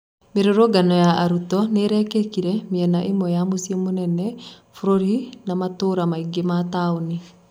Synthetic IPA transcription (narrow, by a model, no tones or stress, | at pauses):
meɾoɾoɡanɔjaaɾutɔneɾɛkekiɾɛmiɛnaʔimɔjamosiemonɛnɛ | fuɾoɾinamatoɾamaiɡemataoni